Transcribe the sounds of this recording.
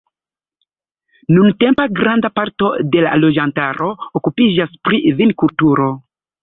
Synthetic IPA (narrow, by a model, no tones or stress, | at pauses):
nunte̞mpaɡɾandapaɾto̞de̞la̰lo̞d͡ʒantaɾʔo̞okupid͡ʒaspɾivinkultuɾo̞